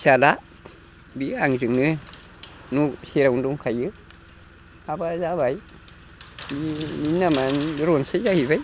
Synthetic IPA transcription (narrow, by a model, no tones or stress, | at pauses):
sala | biaŋzɨŋnɨ | nusiɾawnduŋkʰajɯ | abazabaj | bininːamanɾonsajzahibaj